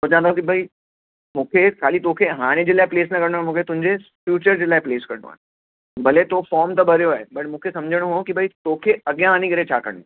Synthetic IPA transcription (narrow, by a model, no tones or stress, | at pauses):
t̪ot͡ɕãːɦnd̪akibʱɐi | mũːkʰekʰaːlit̪okʰeɦaːɽ̃ed͡ʑeːlaːɪpleːsnɐkɐɾnoaːɦmũːkʰet̪ʊ̃ɦɪ̃ɲd͡ʑefjuːt͡ɕəɾd͡ʑeːlaːɪpleːskɐɾno̰a̰ːɦe | bɐlet̪ofɔːɾmt̪ɐbʱɐɾjoaːɦebɐʈmũːkʰesɐ̃md͡ʑʱəɽ̃oɦõkibʱɐit̪oːkʰeɐɠjãaːnikɐɾet͡ɕʰaːkɐ̰ɾɽo